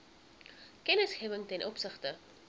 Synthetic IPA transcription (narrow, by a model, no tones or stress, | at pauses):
kɛnəsχɛːvəŋtɛnʔɔpsəχtə